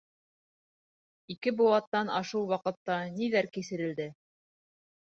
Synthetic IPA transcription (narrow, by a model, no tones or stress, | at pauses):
ikɘbuwɑt̪ːɑnɑʃuwˠwɑqɤ̆t̪ːɑniðæɾkisɘ̆ɾɘ̆ld̪ɘ